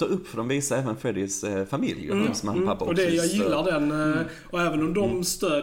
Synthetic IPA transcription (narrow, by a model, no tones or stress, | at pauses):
oːɾɵpːfœɾɖɔmviːsaɛːvənfɛd̪ɪsfamɪ̰ljə̰sɔmhanːpapːaɔd̪ɛjɑjɪllːaɖɛn | ɔɛːvənɔmd̪ɔmst̪øː